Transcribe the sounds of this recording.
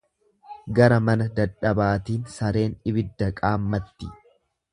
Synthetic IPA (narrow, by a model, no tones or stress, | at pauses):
ɡɐɾɐmɐnɐd̪ɐᶑɐbaːt̪iːnsɐɾe̞ːnɪbɪd̪ːɐkʼaːmːɐt̪ːɪ